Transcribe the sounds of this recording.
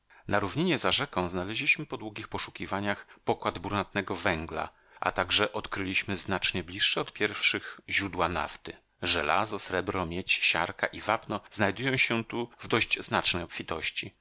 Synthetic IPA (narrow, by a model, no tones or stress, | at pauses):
naɾuvɲiɲɛzaʐɛkɔ̃w̃znalɛʑlʲiɕmɘpɔd̪wuɡʲixpɔʂu̥kʲivaɲaxpɔkwad̪buɾnat̪̚nɛɡɔvɛŋɡla̰ | ʔa̰t̪aɡʐɛʔɔt̪kɾɘlʲiɕmɘznat͡ʂɲɛblʲiʂːɛɔt̪pʲjɛɾfʂɘɣʑɾud̪wana̰ft̪ɘ | ʐɛlʔa̰zɔsɾɛbɾɔmʲjet͡ɕɕa̰ɾkaʔivapnɔznajd̪ujɔ̃w̃ɕɛt̪uvd̪ɔʑd͡ʑznat͡ʂnɛjɔpfʲit̪ɔɕt͡ɕi